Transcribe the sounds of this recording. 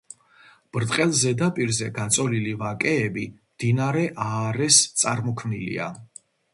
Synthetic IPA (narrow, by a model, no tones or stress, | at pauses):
b̥ɾt̪ʼqʼɛlˠzɛd̪apʼiɾzɛɡat̪sʼɔlilivakʼɛːbimd̪̥inaɾɛʔaːɾɛst̪sʼaɾmɔkʰmnilḭa̰